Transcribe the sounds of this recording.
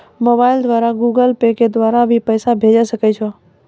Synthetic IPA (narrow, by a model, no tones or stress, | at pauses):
moːbaːɪld̪ʋaːɾaɡuːɡəlpeked̪ʋaːɾabʱipəjsabʱeːd͡ʒɛsəkɛt͡ʃʰo